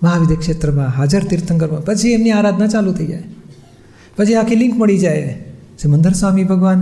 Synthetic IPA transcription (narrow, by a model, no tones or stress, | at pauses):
mɐɦaːʋɪd̪ʱekʃeːt̪ɾəmãːɦaːd͡ʒəɾt̪ɪɾt̪ə̃ŋɡəɾmãpɐt͡ʃʰiɐmniaːɾaːd̪ʱnat͡ʃaːlut̪ʰeid͡ʒa̰ːe | pɐt͡ʃʰeaːkʰilɪ̃ŋkmɐɽid͡ʒaːe | sɪmə̃nd̪əɾswaːmibʱɐɡʋaːn